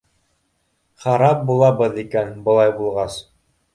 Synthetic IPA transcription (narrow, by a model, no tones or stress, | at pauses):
χɑɾɑp̚bulˠɑbɤðikænbɤ̆lˠɑjbulˠʁɑs